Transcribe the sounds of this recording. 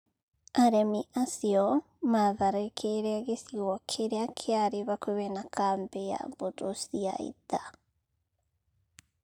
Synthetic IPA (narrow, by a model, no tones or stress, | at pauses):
aɾemiʔasiɔ | maðaɾekʰeɾeaɣesiokʰeɾeakʰeaɾeβakweβenakʰambeja̰bot̪osia̰ḭta